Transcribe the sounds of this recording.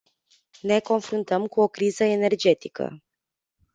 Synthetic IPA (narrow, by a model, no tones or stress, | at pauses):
ne̞ko̞nfɾunt̪əmkuo̞kɾizəe̞ne̞rd͡ʒe̞t̪ikə̰